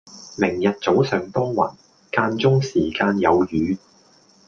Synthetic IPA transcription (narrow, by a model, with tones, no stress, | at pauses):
mɪ˨˩ŋjɐ˨t̚t͡so˨˥wsœː˨ŋt̪ɔː˥ŋwɐ̰˨˩n | kaː˧nt͡sʊ˥ŋsiː˨˩kaː˧njɐ˨˧wjyː˨˧